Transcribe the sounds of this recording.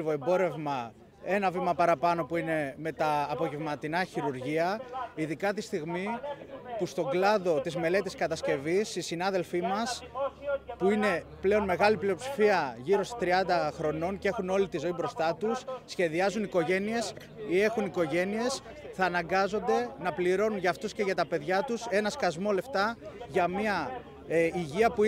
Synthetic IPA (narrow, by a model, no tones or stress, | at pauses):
voe̞mbo̞ɾe̞vmɐ | e̞nɐvimɐpɐɾɐpɐno̞puine̞me̞t̪ɐːpo̞ʝe̞vmɐt̪inɐçiɾuɾʝiɐiðikɐt̪ist̪iɣmipust̪o̞ɡlɐðo̞t̪izme̞le̞t̪iskɐt̪ɐsce̞visisinɐðe̞lfimɐs | puine̞ple̞o̞nme̞ɣɐlipliopsi̥fiɐʝiɾo̞st̪t̪ɾiɐnd̪ɐxɾo̞no̞ncee̞xuno̞lit̪izo̞ibɾo̞st̪ɐt̪usːçe̞ðiɐzuniko̞ʝe̞nie̞s | ie̞xuniko̞ʝe̞nie̞s | θɐːnɐŋɡɐzo̞nd̪e̞nɐpliɾo̞nunʝɐːft̪usce̞ʝɐt̪ɐpe̞ðʝɐt̪use̞nɐskɐzmo̞le̞ft̪ɐʝɐmiɐ | iʝiɐpu